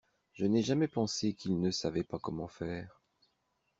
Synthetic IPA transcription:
ʒ̥ənɛʒamɛpɑ̃sekilnəsavɛpakɔmɑ̃fɛːʁ

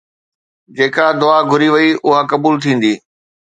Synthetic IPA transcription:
d͡ʑeːkad̪ʊaɡʱʊɾiʋɐiʔʊɦakɐbuːlt̪ʰĩːn̆d̪iː

